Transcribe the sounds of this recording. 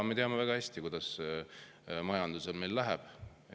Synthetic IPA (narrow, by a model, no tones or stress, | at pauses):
me̞t̪eɑme̞væɡ̥ɑhæsʲt̪ikujd̪̥ɑs | mɑjɑnd̪use̞lme̞jlːæɦæb̥